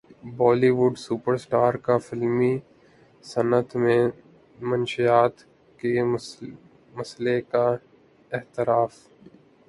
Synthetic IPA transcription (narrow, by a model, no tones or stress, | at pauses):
bɔːliʋʊɖsupəɾsʈaːɾkafɪlmi | sɐnət̪mẽ | mɐnʃijaːt̪ | ke | mɐsleka | ɪht̪ɪɾaːf